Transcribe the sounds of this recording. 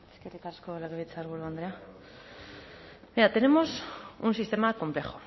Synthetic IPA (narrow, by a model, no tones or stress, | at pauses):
eskeɾikarskolaɣeβit͡saɾɣuɾuand̪ɾea | beat̪e̞ne̞mo̞sunsist̪e̞mako̞mple̞xo